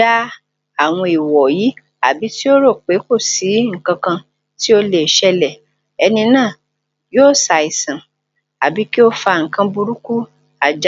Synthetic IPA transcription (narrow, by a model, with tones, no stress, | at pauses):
a˦ | a˨w̃ɔ̃˧i˨wɔ˨ji˨˦ | a̰˨bi˨˦ti˦o˦ɾo˦˨k͡pe˨˦ko˦˨si˨˦ŋ̩˨kã˧kã˧ | ti˦o˧le˨ʃɛ˧lɛ˨ | ɛ˧nĩ˧nãː˦˨ | joː˦˨sa˨i˨sã˨ | a˨bi˨˦ki˦o˦fa˧ŋ̩˨kã˧bu˧ɾu˦ku˦ | a˨d͡ʒ